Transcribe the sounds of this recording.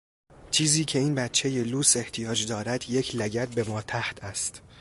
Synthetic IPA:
t͡ʃʰiːziːcʰe̞iːnbæt̪t͡ʃʰːe̞je̞luːse̞ht̪ʰijɒːd͡ʒd̪ɒːɾæd̪je̞cʰlæɟæt̪̚be̞mɒːt̪ʰæht̪ʰæst̪

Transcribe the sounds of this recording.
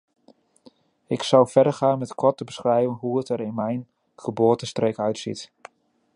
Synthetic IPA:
ɪksɔwfɛdəχaːnmɛtkʰɔtəbəsχrɛjvənɦuətəɾɪnmɛjn | χəboːtəstreːkœɥtsḭt

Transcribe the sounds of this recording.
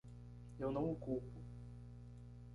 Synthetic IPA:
ewnɐ̃w̃okupʊ

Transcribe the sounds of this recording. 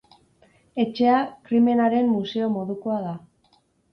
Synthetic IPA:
e̞t͡ʃe̞akɾime̞naɾe̞mːuse̞o̞mo̞ðuko̞aða

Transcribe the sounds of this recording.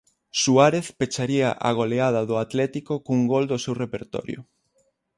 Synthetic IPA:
suaɾeθpet͡ʃaɾiaʔa̰ɣ̞oleaðɐðʊat̪lɛt̪ikokuŋɡold̪osewrepeɾt̪ɔ̰ɾjʊ̰

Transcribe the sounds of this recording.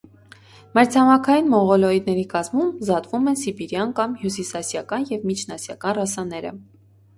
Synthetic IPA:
mɛɾt͡sʰɑmɑkʰɑjinmɔʁɔlɔid̪nɛɾikɑzmumzɑt̪vumɛnsibiɾjɑnkɑmhjusisɑsjɑkɑnjɛvmit͡ʃʰnɑsjɑ̰kɑnrɑsɑnɛɾə̰

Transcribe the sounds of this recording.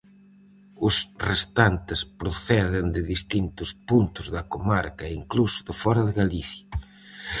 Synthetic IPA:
ʊsrest̪ant̪ɪspɾʊθɛðɪnd̪ɪðist̪int̪ʊspunt̪ʊzðɐkomaɾkɐiŋklusʊ̥ðʊfɔɾɐðɪɣaliθjɐ

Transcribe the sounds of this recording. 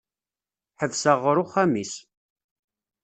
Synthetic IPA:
ħəvsəʁəɾʊχæmis

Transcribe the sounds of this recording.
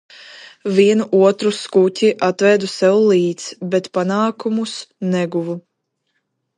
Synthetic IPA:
vʲiɛnuʔuɔt̪ɾuskutʲiʔat̪vɛːd̪usɛwlˠiːt̪sbɛt̪panaːkumusnɛɡuvu

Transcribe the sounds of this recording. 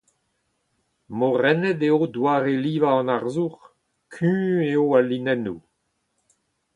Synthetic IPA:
moʁɛnɛd̪eodwaːʁeliːvaɑ̃naʁzuʁ | kʰỹːeoalinɛnu

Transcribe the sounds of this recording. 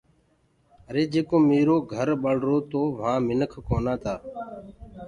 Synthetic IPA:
əɾeːd͡ʒeːkõːmeːɾoːɡʱəɾɓəɽ̤ɾoːt̪oːʋ̤ãːmɪnəkʰkoːnãːt̪ʰaː

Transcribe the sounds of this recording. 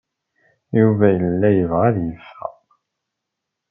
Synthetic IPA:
juvæjəlːæjəvʁaðjəfːæ̰

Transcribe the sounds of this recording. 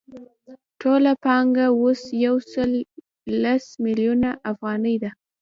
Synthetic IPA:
ʈʰolapɑŋɡawosjawsəlː | asmɪljunaʔafɣɑnəjd̪a

